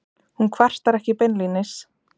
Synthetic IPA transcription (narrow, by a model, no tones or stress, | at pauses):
hunkʰvar̥t̪aɾɛhcɪpɛnlinɪs